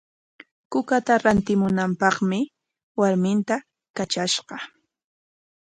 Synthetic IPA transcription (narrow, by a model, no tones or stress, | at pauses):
kʊkat̪aɾant̪ɪmʊnampɑχmɪ | waɾmɪnt̪a | kat͡ʃaʃqɑ